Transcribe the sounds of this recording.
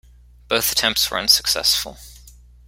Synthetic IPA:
b̥əʊθətʰɛ̃mp̚tswə̰˞ə̰̃nsə̥ksɛ̰sfə̰lˠ

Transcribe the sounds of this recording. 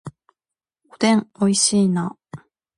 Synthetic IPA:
od̪ẽŋoiɕiːna

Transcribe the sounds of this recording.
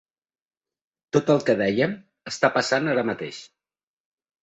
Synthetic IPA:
t̪ot̪əlˠkəðɛjəm | əst̪apəsanaɾəmət̪ḛʃ

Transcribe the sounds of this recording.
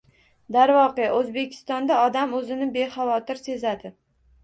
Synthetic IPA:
d̪aɾvɒqeʔozbe̞kʲʰɪ̥st̪ɒnd̪aɒd̪amɵzɪnɪbe̞χavɒt̪ɪɾse̞zad̪ɪ

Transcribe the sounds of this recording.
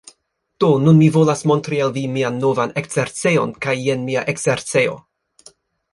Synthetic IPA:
d̥o̞nunmivo̞lasmo̞ntɾialvimianːo̞vanekseɾt͡se̞jo̞nkaje̞nmiaʔekseɾt͡se̞jo̞̰

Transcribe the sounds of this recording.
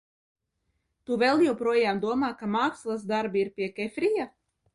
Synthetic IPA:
t̪uvɛlˠjɛwpɾuɔjaːmd̪uɔmaːkamaːkslˠazd̪aɾbiɾpʲiɛkɛfʲɾija

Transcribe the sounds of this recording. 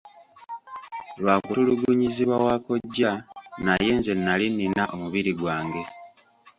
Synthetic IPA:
lwaːkuɾuluɡuɲiziβwawaːko̞ɟːanaje̞ːnze̞nːalinːinaʔo̞muβiɾiɡwaːŋɡe̞

